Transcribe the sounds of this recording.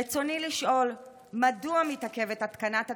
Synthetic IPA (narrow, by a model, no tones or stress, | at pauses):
et͡so̞niliʃʔo̞l | maduamitake̞vetat̪kanata